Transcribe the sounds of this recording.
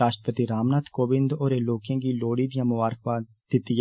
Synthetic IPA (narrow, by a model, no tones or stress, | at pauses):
aːʃʈəpət̪iɾaːmnaːt̪koːbɪ̃nd̪oːɾeːloːkãːɡiːloːɽiːd̪ijãːmʊaːɾkʋaː | d̪ɪt̪ːiː